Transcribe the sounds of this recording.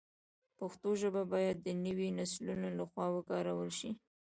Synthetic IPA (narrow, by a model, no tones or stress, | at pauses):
paxt̪oʒəbabɑjad̪ːənəwinaslunolaxwɑwəkɑɾawəlʃi